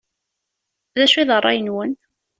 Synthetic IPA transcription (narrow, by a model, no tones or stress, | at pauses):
ðæʃiðərˤːɑ̰jənwən